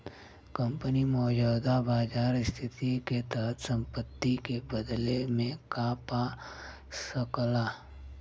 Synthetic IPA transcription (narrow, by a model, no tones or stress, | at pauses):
kəmpənimɔːd͡ʒuːd̪abaːd͡ʒaːɾɪst̪ʰɪt̪iket̪əɦət̪sə̃mpət̪ːikebəd̪lemẽkaːpa | səkla